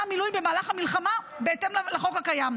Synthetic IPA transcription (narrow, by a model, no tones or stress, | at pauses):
amilujbe̞maːlaχhamilχama | beetemllaχo̞khakajam